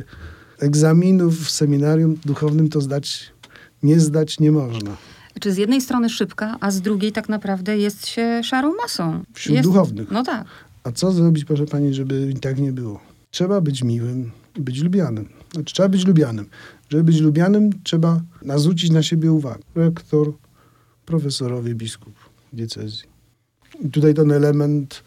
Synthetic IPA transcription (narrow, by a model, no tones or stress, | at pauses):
ɛɡzamʲinufːsɛmʲinaɾʲjumd̪uxɔvnɘmt̪ɔzd̪at͡ɕ | ɲɛzd̪at͡ɕɲɛmɔʐna | t͡ʂɘzʲjɛd̪nɛjst̪ɾɔnɘʂɘpkaʔazd̪ɾuɡʲejt̪aknapɾavd̪ɛjɛst̪ɕɛʂaɾɔ̃w̃masɔ̃w̃fɕuɛd̪uxɔvnɘxnɔt̪ak | at̪sɔzɾɔbʲit͡ɕpɾɔʂɛpaɲiʐɛbɘt̪akɲɛbɘwɔ | tʂɛbabɘt͡ɕmʲiwɘm | ibɘt͡ɕlubʲjanɘmnḁtʂɛbabɘt͡ɕlubʲjanɘmʐɛbɘbɘt͡ɕlubʲjanɘmtʂɛbanazvut͡ɕit͡ɕnaɕebʲjɛuva̰ɡɛɾɛkt̪ɔɾ | pɾɔfɛsɔɾɔvʲibʲiskup | vd̪jɛt̪sɛ̰zʲji | it̪ut̪ajt̪̬ɛnɛlɛmɛnt̪